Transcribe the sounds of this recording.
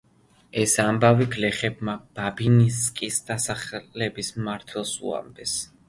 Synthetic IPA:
ɛsambaviɡlɛχɛb̚mab̥abiniskʼisd̪̥asaχlɛbismaɾt̪ʰwɛlˠsṵa̰md̪ɛs

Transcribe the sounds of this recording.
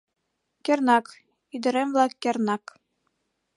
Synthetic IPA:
kʲernɑk | id̪ɘ̆ɾemvlˠɑkʲːernɑk

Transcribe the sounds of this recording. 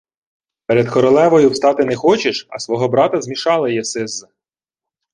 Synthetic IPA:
peɾed̪kɔɾɔlˠɛʋɔjʊwst̪ɑt̪ɪnɛxɔt͡ʃeʃɐ̰sʋɔɦɔbɾɑt̪ɐzmʲiʃɑlˠɐjɛsɪzːɐ

